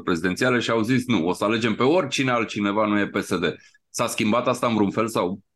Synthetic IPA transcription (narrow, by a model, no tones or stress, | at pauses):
pɾe̞zid̪et̪siale̞ʃiawzisnuo̞səale̞d͡ʒe̞mpe̞o̞rʲt͡ʃinealt̪̚t͡ʃine̞vanuje̞pe̞se̞d̪e̞ | saskʲimbat̪ast̪aɨnt̪ɾunfe̞lsaw